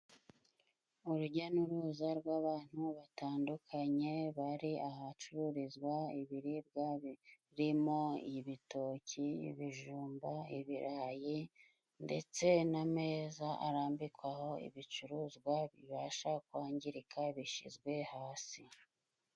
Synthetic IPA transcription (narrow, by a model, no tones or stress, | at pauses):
uɾuɟanuɾuːzaɾɡwaːβaːn̥huβataːndukʰaɲe̞βaɾiahat͡ʃuɾuɾizɡwaiβiɾibɡa | ɾimoiβito̞ciḭβiʒuːmbaḭβiɾʔaːji | nde̞̰t͡se̞name̞ːzaʔa̰ɾaːmbikwaho̞ḭβit͡ʃuɾuːzɡwaβḭβaʃakwaːɲɟiɾikʰaβiʃḭzɡwe̞haːsi